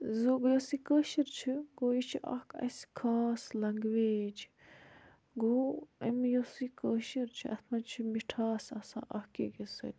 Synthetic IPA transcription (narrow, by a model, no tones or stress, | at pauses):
zoɡjosikəːʃiɾt͡ʃʰiɡoːjit͡ʃʰiʔɐ̰hkɐ̰skʰaːslɐŋɡʋeːd͡ʒ | ɡoːɐmjosikəːʃiɾt͡ʃʰiʔɐt̪ʰmɐt͡ʃʰimiʈʰaːsɐsã̰ːʔɐhkḭɡesɐ̰t̪ʲ